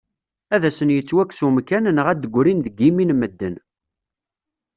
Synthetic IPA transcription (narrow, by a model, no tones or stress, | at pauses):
æðæsənjət͡sːwækːsumkːænnəʁæd̪əɡʷɾinðəɡiminmːəd̪ːən